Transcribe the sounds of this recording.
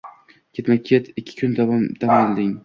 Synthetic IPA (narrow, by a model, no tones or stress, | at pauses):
kʲʰe̞t̪maet̪ʰɪkʲʰːɪ̥kʲʰʊnt̪ʰad̪̥amld̪ɪŋ